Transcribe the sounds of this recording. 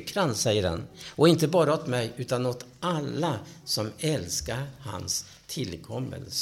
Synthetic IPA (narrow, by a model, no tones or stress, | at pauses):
kʰɾansɛjːəɾa̰nɔɪnt̪əbɑːɾaɔt̪mɛjʔʉ̟ːt̪anot̪ʔalːasɔmɛlskaɾha̰ns | t̪ʰɪlkʰɔmːə̰ls